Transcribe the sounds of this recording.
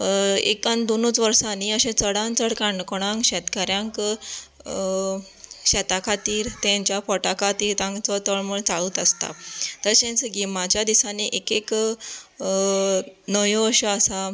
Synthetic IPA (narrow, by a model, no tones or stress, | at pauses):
ekãnd̪onut͡sʋəɾsaniəɕẽt͡səɽãnt͡səɽkãɳɖkɔɽ̃ãŋkɕɛt̪kaɾjãŋk | ɕɛt̪akʰat̪iːɾt̪ɛ̃ɲt͡ɕjafɔʈakʰat̪iːɾt̪ãŋɡt͡sɔt̪əɭmuɭt͡saɭuːt̪əst̪a̰t̪əɾɕẽnt͡sɡimat͡ɕjad̪isaneʔekek | nəjɔ̃əɕɔəsa